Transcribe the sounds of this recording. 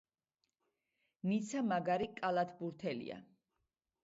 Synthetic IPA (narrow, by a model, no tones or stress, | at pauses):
nit̪sʰamaɡaɾikʼalˠat̪ʰbuɾt̪ʰɛlḭa̰